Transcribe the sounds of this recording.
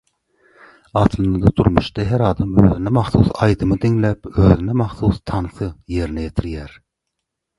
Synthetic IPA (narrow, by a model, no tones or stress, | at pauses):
ɑt̪ʰlˠɨnɑd̪ɑd̪uɾmṵʃt̪ɑɦeɾɑːd̪ɑmø̰ːðinɛmɑxθusɑjd̪ɯmɯd̪iŋlæpøːðinɛmɑχθust̪ʰɑnθɯje̞ɾinɛjet̪ʰiɾjæɾ